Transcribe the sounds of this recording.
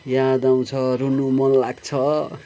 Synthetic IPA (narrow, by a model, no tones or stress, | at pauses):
jad̪aw̃t͡sʰʌɾunumʌnlaɡt͡sʰʌ